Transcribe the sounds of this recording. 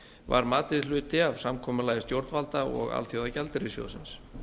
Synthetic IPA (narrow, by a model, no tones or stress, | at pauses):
va̰ɾmaːt̪ɪðlʏːt̪ɪav̥samkʰɔːmʏlaːjɪst̪jowɾt̪nvalt̪aɔ̰ɣa̰lθjowðacɛlt̪ɪɾɪsjo̰wsɪns